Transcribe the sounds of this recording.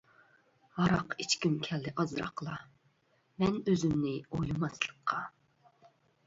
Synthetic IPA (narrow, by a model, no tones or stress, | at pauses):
hɑɾɑqit͡ʃkʲymkʲʰɛlːɪʔɑzɾɑ̰qʰəlˠɑ | mɛnøzymnɪojlˠɨmɑslˠə̥qʰːɑ